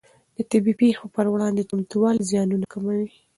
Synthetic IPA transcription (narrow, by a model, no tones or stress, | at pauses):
d̪̥ət̪ɪbipexopəɾwɽɑnd̪et̪ʊmt̪uwɑlzjɑnunakamawi